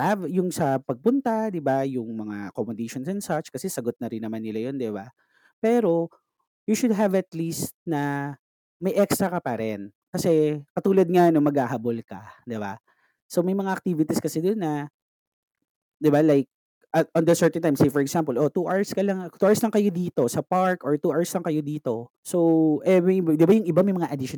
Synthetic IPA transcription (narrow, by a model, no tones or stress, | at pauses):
avjʊŋsɐpɐɡ̚pʊnt̪ad̪ɪbajʊŋmɐŋaʔɐkomod̪ɪʃonsɛnsat͡ʃkɐsɛsɐɡot̪̚nɐɾɪnːɐmanːɪlajond̪ɪba | pɛːɾo̞ | juʃʊd̪̚ɦɐvɐt̪list̪̚nɐ | mɐjʔɛkst̪ɾɐkɐpɐɾɛn | kɐsɛkɐt̪uːlɐd̪̚ŋanoŋmɐɡhaːɦabolkɐ̰d̪ɪba̰ | so̞mɐjmɐŋaʔɐk̚t̪iːvɪt̪iskɐsɛd̪onːɐ | d̪ɪbalajk̚ | ʔɐʔɔnd̪ɐsɛɹt̪ɛnt̪ajmsejfɔɹɛɡzampɛlʔo̞t̪uːʔaɹskɐlɐŋt̪uːaɹslɐŋkɐjo̞d̪iːt̪o̞sɐpaɹkʔoɹt̪uːʔaɹslɐŋkɐjo̞d̪iːt̪o̞ | so̞wʔɛmɐjd̪ɪbajʊŋɪbamɐjmɐŋaʔɐd̪ɪʃo